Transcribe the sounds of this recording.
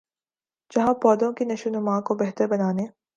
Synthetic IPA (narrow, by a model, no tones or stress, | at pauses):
d͡ʒɐɦãpɔːd̪õkinɐʃʊnʊmãkobɛɦt̪əɾbɐnaːneː